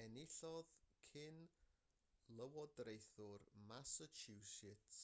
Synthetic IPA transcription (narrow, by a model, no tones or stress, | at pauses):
ɛnɪɬɔðkʰɪn | lˠəwɔdrejθʊrmasət͡ʃʰusɪt